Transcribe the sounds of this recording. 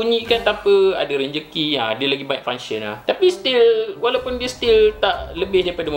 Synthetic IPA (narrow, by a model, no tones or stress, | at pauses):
uɲĩkant̪apəa̰daɾəɲd͡ʒəkia̰diəlaɡibaɛʔ̚faŋsəna̰ht̪apist̪ilwalawpʊndiəst̪ilt̪aʔləbɪhdaɾipadam